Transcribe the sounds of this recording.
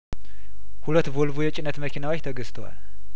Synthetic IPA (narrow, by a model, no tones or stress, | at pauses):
hulət̪ːbolbujɛt͡ʃʼɪnːət̪məkʰinawot͡ʃːt̪ʰəɡɨst̪ʰəwa̰l